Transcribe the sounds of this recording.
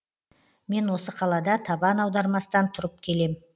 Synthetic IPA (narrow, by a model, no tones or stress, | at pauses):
me̞nwo̞səqʰɑlˠɑd̪ɑt̪ʰɑbɑnɑwd̪ɑɾmɑsət̪ɑnt̪ʰʊɾəp̚kʲʰe̞le̞m